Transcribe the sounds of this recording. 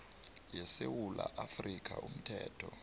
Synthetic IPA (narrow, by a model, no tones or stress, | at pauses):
jɛsewulaʔafrik̬ʰʼaʔum̩tʰɛːtʰɔ